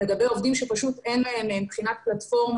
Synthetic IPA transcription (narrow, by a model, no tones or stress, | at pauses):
eɡabeo̞vd̪imʃepaʃut̪enlaemmbχinat̪̚platfo̞ʁm